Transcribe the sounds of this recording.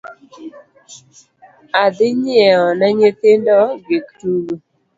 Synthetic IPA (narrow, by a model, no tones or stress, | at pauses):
ad̪ɪɲɛɔnaɲet̪ɪndɔɡektulu